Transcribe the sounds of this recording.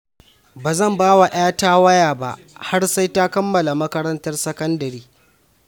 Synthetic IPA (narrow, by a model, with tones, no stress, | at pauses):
baː˨zɐ˦˨mbaː˦wa˨ʔaː˦taː˦wɐ˦jaː˨ba˨ʔ | ha˦rsa˦jta˦kɐ˦mːɐ˨la˨mɐ˦kɐ˦ɾɐ˦ntɐ˦rsɐ˦kɐ˦ndɐ˨ɾiː˦